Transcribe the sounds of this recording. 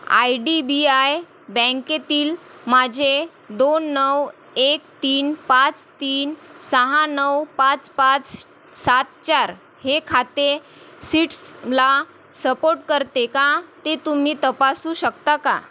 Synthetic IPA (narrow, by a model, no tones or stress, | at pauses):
a̰jɖibiaj | bə̃ŋket̪iːlmad͡ʑʱe | d̪onːəw | ekt̪iːnpãt͡st̪iːnsəɦãnəwpat͡spãt͡s | sat̪̚t͡ɕaɾ | hekʰat̪e | siːʈsla | səpoɾʈ̚kəɾt̪ekat̪et̪um̤iːt̪əpasuːɕək̚t̪aka̰